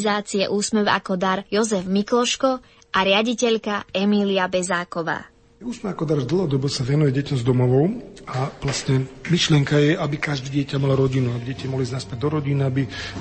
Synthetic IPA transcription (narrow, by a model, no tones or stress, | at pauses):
zaːt͡siɛ̰ʔuːsmɛʋa̰kɔd̪aɾjɔzɛvmiklɔʃkɔ | ʔaɾɪaɟicɛʎkaɛmiliabɛzaːkɔʋa̰ː | uːsmɛakɔd̪aɾvd̪l̩ˠɦɔd̪ɔbɔsaʋɛnujɛɟɛcɔmzd̪ɔmɔʋɔʊaplasɲɛmiʃlɪɛŋkajɛabikaʒd̪iɟɪɛcamalɔɾɔɟinuabiɟɛcamɔɦliznaspɛd̪ɔɾɔɟiniabi